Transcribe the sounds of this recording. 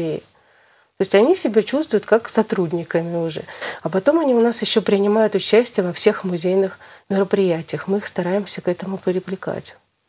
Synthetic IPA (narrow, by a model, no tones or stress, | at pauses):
ejɪ̰ | t̪oɪsʲtʲɐnʲisʲɪbʲat͡ɕust̪vʊjʊt̪kaksɐt̪ɾudʲnʲɪkəmʲɪʊʐɛ̰ɐpɐt̪o̞mɐnʲiʊnasjɪɕːopɾʲɪnʲɪmajʊt̪ʊt͡ɕæsʲtʲɪjəvɐfsʲe̞xmʊzʲejnɨxmʲɪɾəpɾʲɪjætʲɪjəxmɨixst̪ɐɾajɪmsʲəkɛt̪əmʊpʲɪɾʲɪvlʲɪka̰tʲ